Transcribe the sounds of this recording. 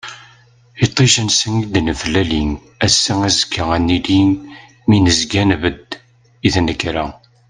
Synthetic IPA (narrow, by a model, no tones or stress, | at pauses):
it̪ˤːiʃənsənid̪nəfəlːælin | æsːæŋæzəkːəʁænːilin | minəzɡænvəd̪ | iθnəkːɾæ